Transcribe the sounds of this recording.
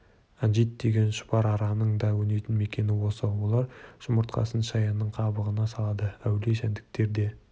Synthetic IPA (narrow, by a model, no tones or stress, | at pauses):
ɑnʒit̪̚d̪e̞ɡʲe̞nʃʊ̥pɑɾɑɾɑnəɴd̪ɑwɵne̞jt̪ɪnme̞kʲe̞nɪwo̞səwolˠɑɾʒ̥ʊməɾt̪qʰɑ̰sənʃɑjɑnːəɴqʰɑbəʁənɑsɑlˠɑd̪əæwleʃænd̪ɪk̚t̪e̞ɾd̪e̞